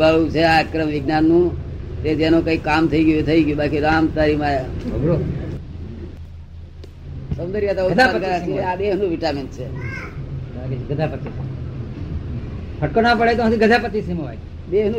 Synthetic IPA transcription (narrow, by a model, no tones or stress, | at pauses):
aɭut͡ʃʰeakɾəmʋɪɡnanːũt̪et̪enõkəikːamt̪ʰəiɡjot̪ʰəiɡjobakiɾamt̪aɾimão | səmd̪əɾijat̪auaaɾkəɾat͡ʃʰeabeɦnũʋiʈamint͡ʃʰe | ɡəd͡ʒʱapət̪ːisi | pʰəʈkonãpəɽet̪oɦãt̪iɡəd͡ʒ̪ʱapət̪ːisimoʋaj | beɦnũ